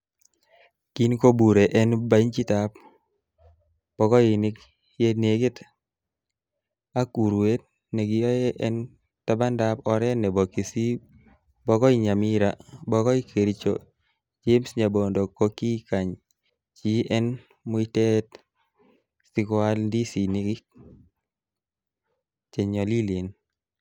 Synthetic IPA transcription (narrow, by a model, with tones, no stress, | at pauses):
ki˦nko˦bu˨ɾe˨ʔɛ˦nba˦ɲt͡ʃi˦ta˨p | b̥ɔ˨kɔ˦i˨nɪ˦k | je˦ne˨ɡɪ˦t | a˦ku˨ɾwe˦t̚ | nɛ˨ɡɪ˨jɔ˦jɛ˦ʔɛ˦n | ta˦ba˦nda˦pɔ˨ɾɛ˦nɛ˨bɔ˨ki˨si˦ | bɔ˦kɔ˦i˦ɲa˨mi˦ɾa˨bɔ˦kɔ˦i˦kʰe˨ɾi˨t͡ʃo̰˨ | d͡ʒe˦msɲa˨bo˨ndo˨ko˦ki˦ka˨ɲ | t͡ʃi˦ʔɛ˦n | mʊ˦i˦tɛ˦t | si˦kwa˦ldi˦si˨ni˦kɪ˦k̚ | t͡ʃe˨ɲɔ˨li˦le˨n